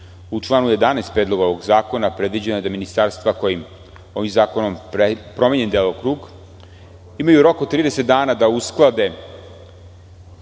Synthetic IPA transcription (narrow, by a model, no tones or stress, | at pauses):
ut͡ʂlˠaːnuje̞d̪anaest̪pɾed̪lo̞ɡao̞ʋo̞ɡzaːko̞napɾe̞d̪ʋid͡ʑenojed̪aminist̪aɾst̪vako̞jim | o̞ʋimzaːko̞nomepɾo̞meɲe̞nd̪elˠokɾuːɡ | imajuɾo̞kot̪t̪ːɾiːd̪eset̪̚d̪aːnaːd̪ausklˠad̪e̞